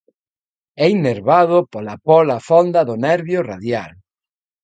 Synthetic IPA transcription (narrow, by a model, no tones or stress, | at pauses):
ɛineɾβaðopolapɔlafɔnd̪aðʊnɛɾβjoraðjal